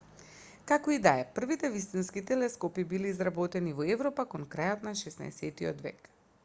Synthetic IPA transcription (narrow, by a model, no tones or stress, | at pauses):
kakɔid̪aɛpr̩vit̪ɛvist̪inskit̪ɛlɛskɔpibiliːzɾabɔt̪ɛnivɔɛvɾɔpakɔnkɾajot̪naʃɛsna̰ɛ̰sɛt̪iɔ̰d̪vɛ̰k